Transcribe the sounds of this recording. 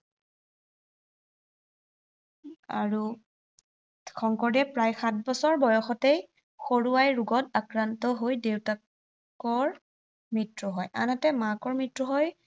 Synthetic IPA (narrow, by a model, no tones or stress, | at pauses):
a̰ɹu | xʰɔŋkɔɹdɛpɹajxat̚ʰbɔsɔɹbɔjɔxɔtej | xoɹuajɹuɡɔtakɹantɔɦojdewta | kɔɹ | mɹitɹɔɦɔjʔa̰natɛmakɔɹmɹitɹɔɦɔj